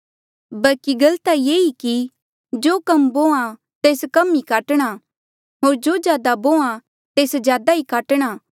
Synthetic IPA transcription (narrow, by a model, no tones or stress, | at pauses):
bɐlkiɡɐlt̪ajeːiki | d͡ʒoːkɐmbõːã | t̪eːskɐmikaːʈəɽ̃a | ɦoːɾd͡ʒoːd͡ʒjaːd̪abõːã | t̪eːsd͡ʒjaːd̪aikaːʈɽ̃aː